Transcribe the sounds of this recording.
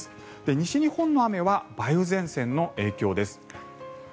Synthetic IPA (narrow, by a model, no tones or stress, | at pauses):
ɨ̥ | d̪̥e̞ɲ̟iɕiɲ̟ihõ̞nːo̞ame̞βabaiɯ̟zẽ̞ɰ̃sẽ̞nːo̞ʔe̞ːkʲo̞ːd̪e̞sɨ̥